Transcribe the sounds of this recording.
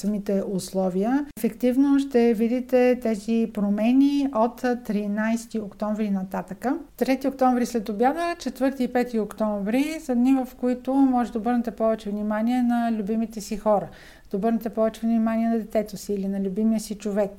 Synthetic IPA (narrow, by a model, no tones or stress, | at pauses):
sɐmit̪ɛʔʊslˠɔviəfɛkt̪ivnoʃt̪ɛvid̪it̪ɛt̪ɛzipɾomɛniot̪t̪ːɾinajst̪iokt̪ɔɱvɾinɐt̪at̪əkət̪ɾɛt̪iokt̪ɔɱvɾislɛt̪objad̪ət͡ʃɛt̪vɤɾt̪iːpɛt̪iokt̪ɔɱvɾizɐd̪nivəfkʊit̪ʊmɔʒɛt̪d̪əobɤɾnɛt̪ɛpɔvɛt͡ʃɛvnimaniɛnɐlʲʊbimit̪ɛsixɔɾə | d̪ɐobɤɾnɛt̪ɛpɔvɛt͡ʃɛvnimaniɛnɐd̪ɛt̪ɛt̪osiːlinɐlʲubimiəsit͡ʃovɛk